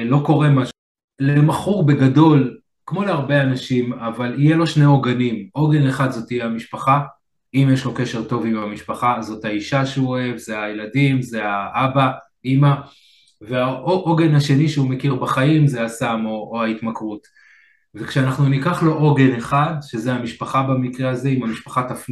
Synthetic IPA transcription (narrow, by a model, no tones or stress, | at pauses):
lo̞ko̞ʁe̞maʃu | lemaχuʁbe̞ɡado̞l | kmo̞leaʁbe̞anaʃimavalijelo̞ʃne̞o̞ɡanimʔo̞ɡe̞neχad̪zo̞tijeamiʃpaχa | imjeʃlo̞ke̞ʃe̞ʁto̞vimamiʃpaχazo̞thaiʃaʃeuoe̞vzeajeladimze̞aʔaba | ima | veaʔoʔoɡe̞naʃe̞niʃeume̞kiʁbaχaimze̞asamo̞ːaitmakʁut | vekʃeanaχnunikaχlo̞ʔoɡe̞neχad̪ʃe̞zeamiʃpaχabamikʁeaze̞imhamiʃpḁχat̪afn